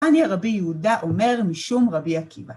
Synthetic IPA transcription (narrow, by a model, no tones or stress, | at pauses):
aniaʁabijeudaʔome̞ʁmiʃumʁabiakʰiva